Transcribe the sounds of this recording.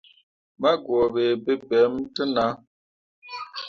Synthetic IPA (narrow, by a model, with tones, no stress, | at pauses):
ma˦ɡwɔ˨be˨be˦bɛ˨˦mtə˦na˨˦